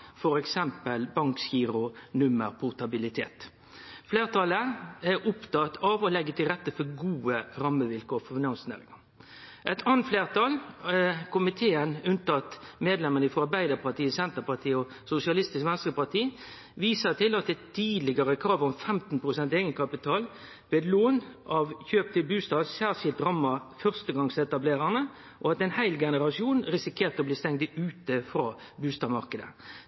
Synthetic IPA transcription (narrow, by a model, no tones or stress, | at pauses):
fɔɾɛksɛmpəlbɑŋkskiːɾʊnʉməɾpʰʊʁt̪ɑbɪlɪt̪ʰeːt̪ | fleːʁt̪ɑləæɾʊpt̪ɑt̪ʰɑʋɔlɛɡːət̪ʰɪlʁɛt̪ːəfɔɡuːəɾɑmːəʋɪlkoːɾfɔfɪnɑnsnæ̰ːʁɪ̰ŋɑ | ʔɛt̪ʰɑːnt̪fleːʁt̪ɑːlkʊmɪt̪ʰeːənʉnt̪ɑt̪meːd̪lɛmənəfɔɑɾbæɪd̪əɾpʰɑt̪iːəsɛnt̪əpɑt̪ʰiːɔ | sʊsɪɑlɪst̪ɪskʋɛnskəpɑʁt̪ʰiː | ʋiːsət̪ʰɪlɑt̪̚d̪ɛt̪ʰiːd̪lɪɡəɾəkʰɾɑːʋɔmfɛmt̪n̩pʰɾʊsɛnt̪eːɡənkʰɑpɪt̪ʰɑːl | ʋeːd̪loːnʔɑʋçøːp̚t̪ʰɪlbʉːst̪ɑːsæːʁʂɪlt̪ɾɑmːɑfœʁst̪əɡɑŋsɛt̪ɑbleːʁəʁnə | ʔɔɑt̪ɛɪnhæɪlɡɛnəʁɑsɪuːnɾɪsɪkʰeːʁt̪ɔbliːst̪ɛŋd̪əʉːt̪əfɾɑː | bʉːst̪ɑːmɑʁkəd̪ə̰